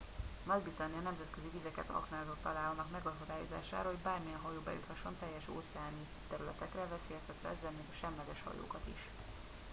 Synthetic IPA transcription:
mɒdbizɑniɒnɛmzɛt̪kø̞zivizɛkɛt̪ɒ̰knaːzot̪ːɒlaːlnɒkmɛɡɒkod̪aːjoza̰ːʃa̰ːɾɒɦo̞ɟbaːrmijɛnɦɒjoːbɛ̰jṵt̪hɒʃːo̞nt̪ɛjːɛʃo̰ːt̪sɛaːni | t̪ɛɾylɛt̪ɛkrɛvɛseːjɛst̪ɛt̪ɾɛ̰ɛzːɛlmikɒʃɛmlɛɡɛʃhɒ̰jo̰ːkɒt̪ḭʃ

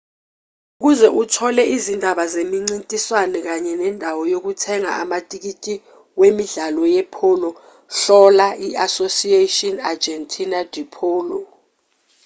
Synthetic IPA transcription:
uk̬uzɛʔutʰɔlɛʔizindʱaɓazemiŋ͡ǀintʼiswanɛk̬aɲɛnɛndʱawɔjok̬utʰɛŋa̰amatʼik̬itʼi | wemiɮalɔjɛpʰɔlɔ | ɬɔlaʔiasosietʼɔnad͡ʒɛntʼʰinad̥ʱipʰɔːlɔ

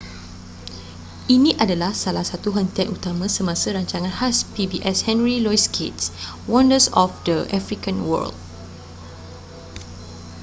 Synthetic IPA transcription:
ʔinĩʔadalahsalahsat̪uɦənt̪iaʔut̪amə̃səmãsəɾaɲt͡ʃaŋãnhaspibiʔɛshɛ̃nɹilɔjskʰḛts | wɔ̃ndəsɔfdəʔafɹikãnwə̰ld̚

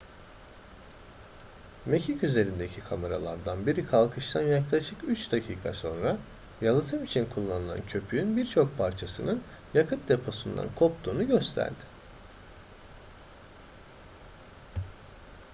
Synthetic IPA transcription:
me̞cʰicyze̞ɾind̪e̞cʰikʰameɾalˠaɾd̪anbiɾikʰalˠkʰɯʃt̪ʰanjaklˠaʃɯkyt͡ʃd̪acʰiːkʰa̰so̞nɾa | jalˠat̪ʰɯmit͡ʃʰinkʰulˠːanɯlˠa̰ncʰø̞pʰyynbiɾt͡ʃʰo̞k̚pʰaɾt͡ʃʰasɯnɯn | jakʰɯt̪̚d̪e̞pʰo̞sund̪a̰nkʰo̞pt̪ʰuːnuɟø̞st̪ʰæ̰ɾd̪ɪ̥

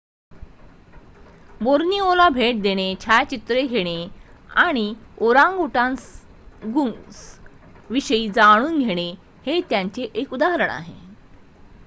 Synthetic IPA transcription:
boɾniːolabʱeʈ̚d̪eɽ̃et͡ɕʰajt͡ɕit̪ɾeɡʱeɽ̃eaɽ̃ioɾãŋɡuʈãns | ɡuŋs | ʋiɕəiːd͡zaɽ̃uːnɡʱeɽ̃e | het̪jãɲt͡ɕeʔekud̪aɦəɾəɳa̰ɦḛ

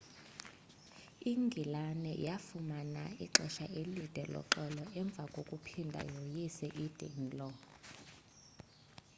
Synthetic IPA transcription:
iŋɡʱilanɛʔḭjafumana̰iǁɛʃaʔelid̥ʱɛlɔ̰ǃɛlɔʔɛɱb̪vʱakʼokʼupʰindʱa̰jojisɛʔid̥ʱɛ̰nlʼɔ

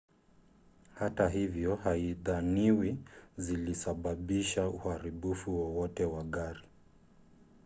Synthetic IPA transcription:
hataɦivjɔhaiðaniwizilisaɓaɓiʃauhaɾiɓufuwɔwɔtɛwaɠaɾi

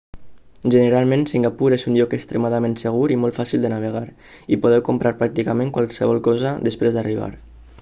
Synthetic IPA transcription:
ʒənəɾalˠmẽnsiŋɡapuɾezunʎɔkəkst̪ɾemaðamẽnsəɣ̞uɾimɔlt̪fasilˠd̪ənaβ̞əɣ̞aɾ | ipoð̞ɛwkumpɾʔaɾpɾak̚t̪ikameŋkwalsəβɔlˠkɔzəd̪əspɾezd̪ariβ̞a̰ɾ

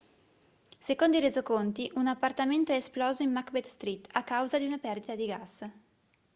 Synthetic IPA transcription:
sekond̪oiɾezokont̪iʔunapːart̪ament̪oɛesplɔːzoimːakbɛt̪st̪ɾit̪ːakːawzad̪iunapɛrd̪it̪ad̪iɡas

